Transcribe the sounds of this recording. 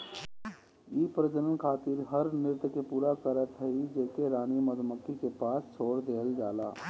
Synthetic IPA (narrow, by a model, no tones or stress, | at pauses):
iːpɾəd͡ʒənənkʰaːt̪iɾɦəɾnɪɾt̪kepuːɾakəɾət̪ɦəid͡ʒeːkeɾaːñiməd̪məkːikepaːst͡ʃʰoːɽd̪eːld͡ʒaːla̰ː